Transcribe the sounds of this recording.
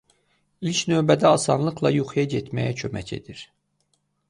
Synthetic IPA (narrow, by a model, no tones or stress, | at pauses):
ilcnø̞ːbæd̪æɑsɑnlˠɯqlˠɑjuχijɑɟet̪ʰmæjæcʰømæ̰cʰe̞̰d̪̥iɾ